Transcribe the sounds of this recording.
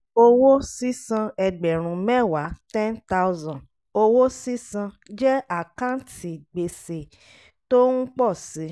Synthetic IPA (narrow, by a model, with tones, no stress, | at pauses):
o˧wo˦si˦sã˧ɛ˧ɡ͡bɛ˨ɾ̃ũ˧mɛ˦˨wa˨˦tɛ̃˦nta˦u˦zã˨ | o˧wo˦si˦sã˧ | d͡ʒɛ˦a˦˨kã˦n˦tʰi˨ɡ͡be˧se˨ | to˦ũ˦k͡pɔ˦˨si˨˦